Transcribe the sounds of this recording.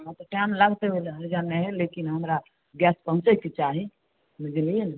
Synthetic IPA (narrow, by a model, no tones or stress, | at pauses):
ãt̪ɔʈamləɡt̪ebeleɦəɾd͡ʒanɛɦelekinɦəmɾa | ɡɛspəɦũt͡ʃekit͡ʃaɦi | mid͡ʒilien